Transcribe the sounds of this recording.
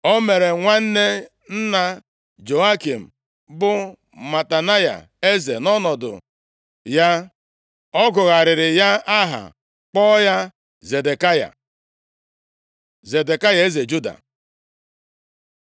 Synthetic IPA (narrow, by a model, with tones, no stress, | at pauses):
o˦me˨ɾe˨ŋʷa˦n̩˦ne˦ | n̩˦na˦ | d͡ʒo˨a˦ki˨m̩˨ | bʊ˦ | ma˨ta˨na˦ja̰˨ | e˦zḛ˨nɔ˦nɔ˨dʊ̰˨ | ja˦ | ɔ˦ɡʊ˨ɣa˨ɾɪ˨ɾɪ˨ja˦a˦ɦa̰˨ | k͡pɔ˦ja˦ | ze˨de˨ka˦ja̰˨ | ze˨de˨ka˦ja˨e˦ze˨d͡ʒu˦da̰˨